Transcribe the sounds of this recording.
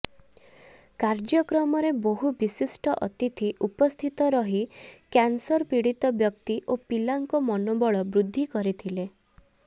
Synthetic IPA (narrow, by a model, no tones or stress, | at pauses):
kaɾd͡ʒjɔkɾɔmɔɾebɔɦubisisʈɔʔɔt̪it̪ʰiʔupɔst̪ʰit̪ɔɾɔɦikansɔɾpiɽit̪ɔbjɔk̚t̪iʔopilaŋkɔmɔnobɔɭɔbɾud̪ʱːikɔɾit̪ʰile